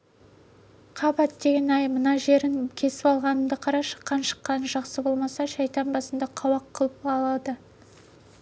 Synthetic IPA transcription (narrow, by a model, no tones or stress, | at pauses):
qʰɑbɑt̪̚d̪e̞ɡʲe̞nɑjmənɑʒe̞ɾɪŋkʲʰe̞sɪ̥pɑlˠʁɑnəmd̪əqʰɑɾɑʃə̥qːɑnʃə̥qːɑnəʒɑqsəbo̞lˠmɑsɑʃɑjt̪ɑnbɑsənd̪ɑqʰɑwɑqʰːəlˠəpɑlˠɑd̪ə